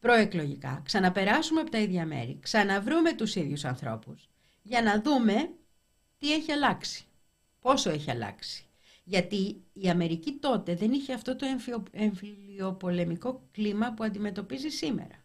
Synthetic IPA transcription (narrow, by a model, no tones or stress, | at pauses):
pɾo̞e̞klo̞ʝikɐ̰ksɐnɐpe̞ɾɐsumeɐpo̞t̪ɐiðʝɐme̞̰ɾḭksɐnɐvɾume̞t̪usiðʝusɐnθɾo̞̰pus | ʝɐnɐðume̞ | t̪ie̞çiɐlɐksi̥ | po̞so̞e̞çiɐ̰lɐ̰ksi̥ | ʝɐt̪iːɐme̞ɾicit̪o̞t̪e̞ðe̞niçeɐft̪o̞t̪o̞efeɱfilio̞po̞le̞miko̞klimɐpuɐnd̪ime̞t̪o̞pizisime̞̰ɾɐ